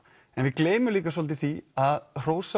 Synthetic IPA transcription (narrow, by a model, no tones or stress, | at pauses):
ɛnvɪðkleːjmʏliːkasɔlt̪ɪθiaðr̥oːwsa